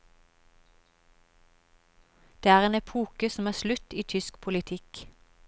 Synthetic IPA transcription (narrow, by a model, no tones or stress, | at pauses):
d̪̥eːæːʁeːnɛpʰuːkəsm̩æːslʉt̪iːt̪ʰʏskpʰʊlɪt̪ʰɪk